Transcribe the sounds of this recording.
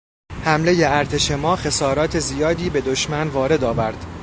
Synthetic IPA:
hæmle̞je̞æɾt̪ʰe̞ʃe̞mɒːxe̞sɒːɾɒːt̪ʰe̞zijɒːd̪iːbe̞d̪o̞ʃmænvɒːɾe̞d̪ɒːvæɾd̪̥

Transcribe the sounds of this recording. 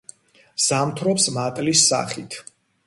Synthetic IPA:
z̥amt̪ʰɾɔpsmat̪ʼlisːa̰χit̪ʰ

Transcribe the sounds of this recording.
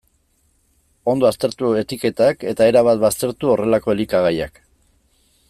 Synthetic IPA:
o̞nd̪o̞ast̪e̞ɾt̪ue̞t̪ike̞t̪ake̞t̪ae̞ɾaβ̞at̪̚βast̪e̞ɾt̪uo̞re̞lako̞elikaɣaja̰k

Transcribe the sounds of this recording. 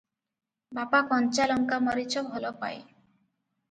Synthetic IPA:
bapakɔnt͡ʃalɔŋkamɔɾit͡ʃʰɔbʱɔlɔpa̰ej

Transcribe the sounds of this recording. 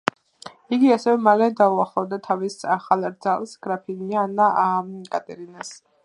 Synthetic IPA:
iɡiasɛvɛmalɛd̪auaχlˠɔvd̪at̪ʰavisaχalˠɾd̪zalˠsɡ̥ɾapʰinianaakʼat̪ʼɛɾinas

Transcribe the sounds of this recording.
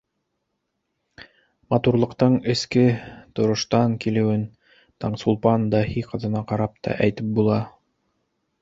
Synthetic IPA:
mɑt̪uɾlˠɤ̆qt̪ɤɴɘ̆skɘt̪ŏɾŏʃt̪ɑŋkilɘ̆wɘn | t̪ɑɴsulˠpɑnd̪ɑhiqɤ̆ðɤ̆nɑqɑɾɑp̚t̪ɑ̰ʔæjt̪ɘp̚bulˠɑ

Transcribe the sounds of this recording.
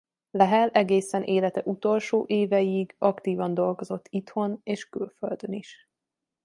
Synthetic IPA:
lɛɦɛlɛɡeːsɛnʔeːlɛt̪ɛʔut̪o̞lʃoːʔeːvɛjiɡɒkt̪iːvɒnd̪o̞lɡo̞zo̞t̪ːit̪ho̞neːʃkylføld̪øniʃ

